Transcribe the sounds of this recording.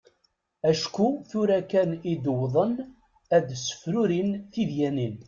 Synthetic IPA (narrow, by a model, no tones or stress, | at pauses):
æʃkuθuɾækænid̪əwðˤən | æd̪sə̥fɾuɾinθiðjænin